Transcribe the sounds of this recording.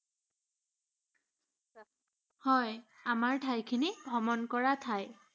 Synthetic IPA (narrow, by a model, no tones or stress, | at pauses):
hɔjamaɹtʰajkʰinibʱɔmɔnkɔɹatʰaj